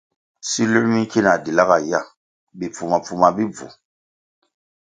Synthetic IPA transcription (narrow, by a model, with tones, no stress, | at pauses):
si˦lo˦ɾmi˦ki˦na˨di˨la˦ka˨ja˦˨ | bi˨pu˨ma˨pu˨ma˨bi˦b͡vṵ˨